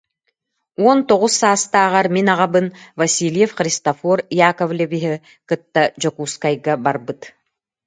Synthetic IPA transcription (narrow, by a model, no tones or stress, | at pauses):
ɔnt̪oʁusːaːst̪aːʁɑɾminɑʁɑbɯnvɐsʲilʲjefχɾʲist̪ɐfɔɾijakovlʲebiɦɛ | qɯt̪ːad͡ʒokuːskajɡabaɾbɯt̪